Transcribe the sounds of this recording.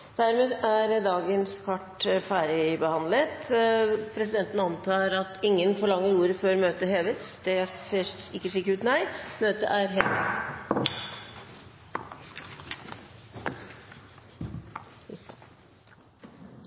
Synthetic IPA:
d̪̥æɾmeːʔæɾd̪ɑːɡənskʰɑʈfæːɾɪbəhɑnd̪lət̪pʰɾɛs̬ɪd̪ɛnt̪ənəɑnt̪ʰɑːɾɑt̪ʰɪŋːənfɔɭɑŋːəɾuːɾəføːɾmøːt̪əɦeːʋət̪sd̪̥ɛseːɪkːəʂiːkːəɾʉːt̪næɪmøːt̪ə̰ʔæɾɦeːʋə̰t̪

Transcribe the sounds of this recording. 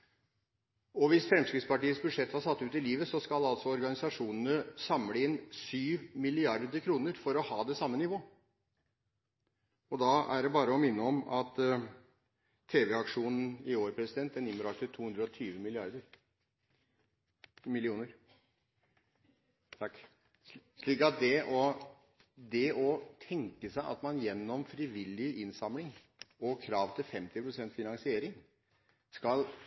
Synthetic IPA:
ɔʋɪsfɾɛmskɾɪt̪spɑʈiːəsbʉd̪ʂɛt̪ːhɑɾsɑt̪ːʉːt̪ɪliːʋəsɔskɑlɑlsɔɔɾɡɑnɪsɑʂuːnənəsɑmləɪnsyːʋmɪlɪɑɾd̪əɾkʰɾuːnəɾfɔɾɔhɑːd̪ɛsɑmːənɪʋoː | ɔd̪ɑːæ̰ɖɛbɑːɾəɔmɪnːəɔmɑt̪ | eːʋɛɑkʂuːnn̩ɪoːɾpʰɾɛsɪd̪ɛnt̪d̪ɛnɪmːəɾɑkt̪ɪt̪ʰuːhʉnd̪ɾəɔt̪ʰyːʋəmɪlɪɑ̰ɾd̪əɾ | mɪlɪuːnəɾ | t̪ʰɑkː | ʂɭiːkɑt̪̚d̪ɛʔɔ | d̪ɛɔt̪ʰɛŋkəsæɪʔɑ̰t̪mɑnjɛnːɔmfɾɪʋɪlːɪɪnsɑmlɪŋ | ɔkʰɾɑːʋt̪ʰɪlfɛmt̪ɪpʰɾʊsɛnt̪fɪnɑŋsɪeːɾɪŋ | skɑl

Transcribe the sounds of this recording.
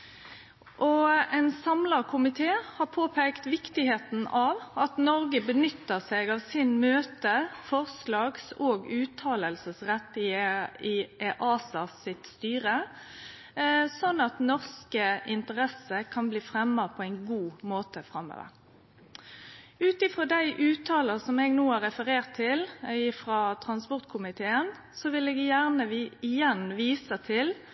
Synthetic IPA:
ʔɔɛnsɑmləʁkʰʊmɪt̪ʰeːhɑːpʰoːpʰeːkt̪ʋɪkt̪ɪheːt̪n̩ɑːʋɑt̪nɔʁɡəbənʏt̪ːəʁsɛːɡɑʋsɪnmøːt̪əfɔʁslɑːɡsoːɡʉːt̪ʰɑːləlsəsʁɛt̪ːɪɪʔɑːsɑsɪt̪st̪yːʁə | sɔnːɑt̪nɔʁskəʔɪnt̪əʁɛsəkʰɑnbliːfʁɛmːəpʰɔæɪnɡuːmoːt̪əfɾɑmːø̰ːʋə̰ʁ | ʉːt̪ɪfɾoːd̪æɪʔʉːt̪ʰɑːləsɔmɛɡnuːæʁɛfəʁeːʁt̪ʰːɪlɪfʁɑːt̪ʰʁɑnspɔʁt̪̚kʰʊmɪt̪ʰeːən | sɔʋɪlɛːɡjæʁnəɪjɛnʋiːsət̪ʰɪl

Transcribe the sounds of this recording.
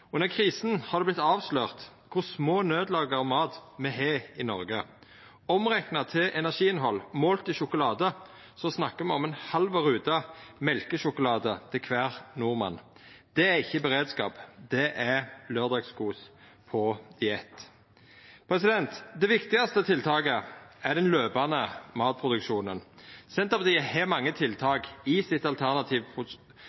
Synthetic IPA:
ɔnəkʰʁiːsn̩hɑʁd̪ɛblɪt̪ːɑːʋsløːʁt̪kʰʊʁsmoːnøːd̪lɑːɡəʁɔmɑːt̪mɛɦeːɪnɔʁɡə | ɔmʁæknɑt̪ʰɪlɛnæʁʂiːɪnɦɔlːmoːlt̪ɪʃʊkʊlɑːd̪ə | sɔsnɑkːəmɛɔmɛnhɑlʋɑʁʉːd̪ɑmɛlkəʃʊkʊlɑːd̪ət̪ʰɪlkʰʋæːʁnʊʁmɑ̰n | d̪̥ɛæɪçːəbəʁeːd̪skɑ̰ːpd̪ɛʔæʁløːd̪ɑɡskuːs | pʰɔd̪̥ɪɛt̪ː | pʰɾɛsɪd̪ɛnt̪d̪ɛʋɪkt̪ɪɡɑst̪ət̪ʰɪlt̪ʰɑːɡəæd̪ɛnløːbɑnəmɑːt̪̚pʰʁʊd̪ʉkʃuːnənsɛnt̪əpd̪iɛhɛːmɑŋːət̪ʰɪlt̪ʰɑːɡɪsɪt̪ɑlt̪ʰæʁnɑt̪ʰiːʋpʊ

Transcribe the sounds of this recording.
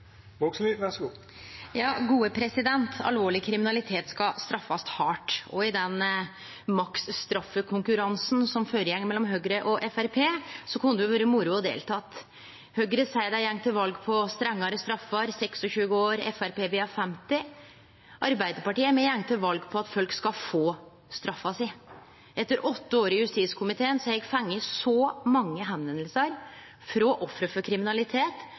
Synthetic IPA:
ʋoksyːʋɛsɡuː | jɑːɡuːəpʰɾɛsɪd̪ɛnt̪ʰɑ̰lʋoːɭɪkʰɾɪmɪnɑlɪt̪ʰeːt̪skɑst̪ɾɑfːɑst̪hɑːʈɔɪd̪ɛn | mɑksst̪ɾɑfːəkʰʊŋkʉɾɑnsn̩sɔmføːɾəjɛŋːmɛlːɔmɦøːɡɾəʔɔʔɛfæɾpʰeːsɔkʰɑnd̪d̪ʊʋøːɾəmʊɾʊɔd̪ḛːlt̪ʰɑt̪ː | hœɡɾəsæɪd̪æɪjɛŋːt̪ʰɪlʋɑlɡpʰɔst̪ɾɛŋːɑɾəst̪ɾɑfːɑɾsɛksɔɕʉːəoːɾɛ̰fæɾpeːʋeːɑfɛmt̪ɪ | ʔɑɾbæɪd̪əɾpɑʈiːəmɛjɛŋːt̪ʰɪlʋɑlɡpʰɔɑt̪fœlkskɑfoː | st̪ɾɑfːɑsɪ | ɛt̪ːəɾʔɔt̪ːəoːɾɪjʉst̪iːskʰʊmɪt̪ʰeːənsɔɛɡfɑŋːəsɔmɑŋːəɦɛnʋɛnəlsəɾ | fɾɔːʔɔfɾəfɔɾkʰɾɪmɪnɑlɪt̪ʰeːt̪

